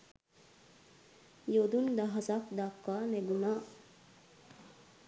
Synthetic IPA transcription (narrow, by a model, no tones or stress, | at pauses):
jod̪und̪aɦasakd̪akːaneɡunaː